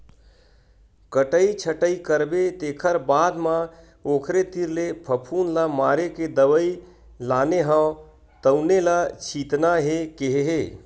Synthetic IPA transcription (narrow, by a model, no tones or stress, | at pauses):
kəʈəit͡ʃʰəʈəikəɾbet̪eːkʰəɾbaːd̪mã | oːkʰɾet̪iɾlepʰəpʰuːnlamaːɾeked̪əwəi | laːneɦə̃ | t̪əʊnelat͡ʃʰiːt̪naɦekeɦeɦeː